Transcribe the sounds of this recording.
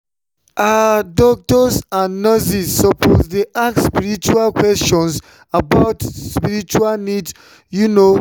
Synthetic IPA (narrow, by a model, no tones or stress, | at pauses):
adɔk̚tɔsãnːəsisːɔpʰosdeʔakspiɹit͡ʃualkwɛstɔ̃ns | abaʊtspiɹit͡ʃualnids | juno